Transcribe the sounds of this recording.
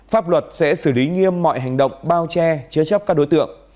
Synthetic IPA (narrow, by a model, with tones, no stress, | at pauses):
faː˦˥p̚lwə˨˩t̚sɛ̰˧˥sɨ˧˩li˨˦ŋi˧əmːɔ̰˧˨jɦa˨˩jŋ̟ɗə̰˧˨wŋ͡mɓaː˧wt͡ɕɛ˧t͡ɕɨ˨˦t͡ɕa˦˥p̚kaː˦˥k̚ɗo˨˦jt̪ɨ̰˧˨əŋ